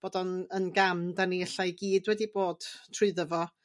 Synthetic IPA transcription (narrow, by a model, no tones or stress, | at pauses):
b̥oːdɔnənɡamdaniəɬajɡiːdwɛdiboːd̥tʰrʊɨðəvɔ